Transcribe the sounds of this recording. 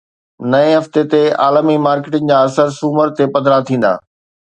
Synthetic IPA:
nɐẽɦɐft̪et̪ea̰ːləmimaːɾkɪːʈənɪ̆d͡ʑãːɐsəɾsuːməɾt̪epɐd̪ʱɾat̪ʰĩːn̆d̪a̰ː

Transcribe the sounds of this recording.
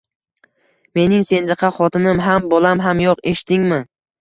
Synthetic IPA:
me̞nɪŋse̞nd̪ɨqʰɑχɒt̪ʰɪnɪmɦambɒlˠamɦamjoqe̞ʃt̪ʰɪŋmɪ

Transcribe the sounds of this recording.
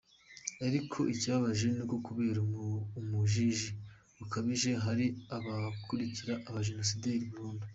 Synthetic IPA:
aɾikʰo̞̰ʔicaːβaʒe̞niɡokuβeːɾamuʒiʒi | βakaβiʒe̞ɦaɾiaβakuɾiciɾaʔːβaʒeno̞sideɾibuːndu

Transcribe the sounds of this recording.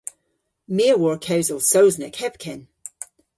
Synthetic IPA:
meɹwɔɹkʰawzəlˠsowznəkhɛp̚kʰɪn

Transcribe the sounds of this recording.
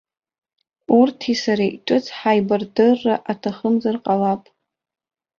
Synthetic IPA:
urtʰisaɾaʔʈ͡ʂʼɨt͡sʰħajbardɨrːaʔatʰaχəmd͡zarqʼalapʼ

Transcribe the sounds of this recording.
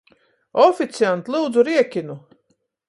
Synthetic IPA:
ɔfit̪siant̪lˠuːd̪zuɾiɛkʲinu

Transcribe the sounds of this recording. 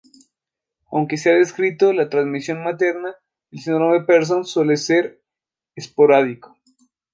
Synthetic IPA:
awŋke̞s̬eaðeskɾit̪olat̪ɾanzmisjo̞nmat̪e̞ɾna | elseɲoɾomepeɾs̬onswe̞leseɾ | espoɾaðiko̥

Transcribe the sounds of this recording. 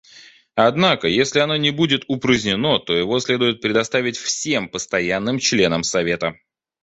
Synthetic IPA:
ɐd̪nakəjesʲlʲɪɐno̞nʲɪbudʲɪt̪ʊpɾəzʲnʲɪno̞t̪o̞jɪvo̞sʲlʲe̞d̪ʊjɪt̪̚pɾʲɪd̪ɐst̪avʲɪtʲfsʲe̞mpəst̪ɐjanːɨmt͡ɕlʲe̞nəmsɐvʲe̞t̪ə

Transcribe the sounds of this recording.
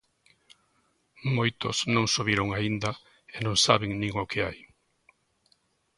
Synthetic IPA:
mojt̪ʊ̰snõŋsoβiɾoʊŋaind̪ɐ | enõŋsaβɪŋnĩŋʊkʰɪaj

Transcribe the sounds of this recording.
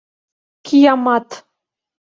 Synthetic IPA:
kʲʰijɑmɑt̪

